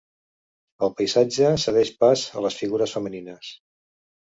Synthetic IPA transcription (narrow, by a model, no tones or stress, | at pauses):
əlˠpəjzad͡ʒəsəðɛʃpazələsfiɣuɾəsfəməninəs